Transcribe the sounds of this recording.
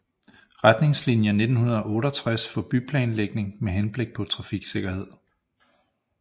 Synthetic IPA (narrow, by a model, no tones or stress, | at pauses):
ʁad̥ne̝ŋslinjəne̝d̥n̩hunɐðˠɒ̽ɔ̽ːɾɒt͡sʰʁasfɒ̽b̥ypʰlɛ̰ːnleɡ̥ne̝ŋmeɦenb̥le̝ɡ̥̚pʰɒ̽t͡sʰʁɑ̈fiɡ̥se̝ɡ̥ɐhe̝ð̞̰ˠ